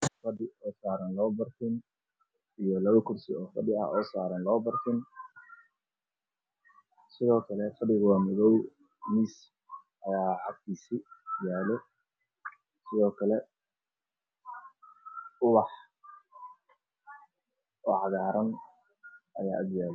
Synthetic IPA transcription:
fɐɖɪɔːsaːɾɐnlɔːbɐrt̪ʰɪn | ijɔlɐβɐkʰʊrsɪɔːfɐɖɪɐ̰ɔːsaːɾɐnlɔːbɐrt̪ʰɪn | sɪðɔːkʰɐlɛfɐɖɪɣʊwaːmɪɣɔw | mis | ʔɐjaːʕɑɡ̚t̪ʰiːsijaːlɛ | sɪðɔːkʰɐlɛ | ʊwɑħ | ɔːʕɑɣaːɾɐn | ʔɐ̰jaːʔɐɡjaːlɛ

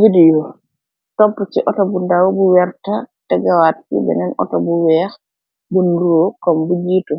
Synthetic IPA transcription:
vidijo | tɔpːɔt͡ʃiʔɔtɔbundawbuwɛɾtatɛɡawatkḭbɛ̰nɛnɔ̰tɔbuwɛːx | bunduɾokɔmbud͡ʒiːtɔ

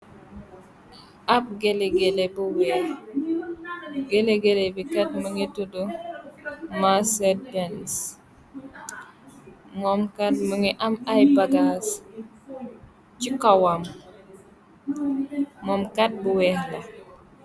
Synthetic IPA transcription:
ap̚ɡeleɡelebuwɛːh | ɡeleɡelebikat̚məŋitudu | maset̚bens | momkat̚məŋiʔamajbaɡas | t͡ʃikawam | ɔmkat̚buwɛːhlɐ

